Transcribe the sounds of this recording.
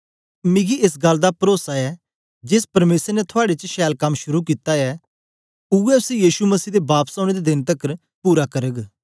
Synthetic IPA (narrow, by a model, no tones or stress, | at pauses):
mɪɡiɪs̬ɡɐld̪apɾoːsaɛː | d͡ʒɪspɐɾmeːsəɾnɛt̪ʰʊaːɽet͡ʃəʃɛːlkɐmʃʊɾukiːt̪aɛ | uɛʊsijiːʃuməsiːd̪ebaːpsãːɽ̃eːd̪ed̪ɪnt̪əkəɾ | puːɾakəɾəɡ